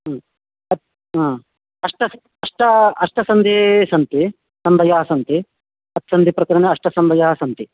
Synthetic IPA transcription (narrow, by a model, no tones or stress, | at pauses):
ɐt̪ | ãː | ɐʂʈɐs | ɐʂʈɐɐʂʈɐsɐnd̪ʱisɐnt̪i | sɐmbʱɐjaːsɐnt̪i | ɐt̪sɐnd̪ʱipɾɐkɐɾɐneɐʂʈɐsɐmbʱɐjaːsɐnt̪i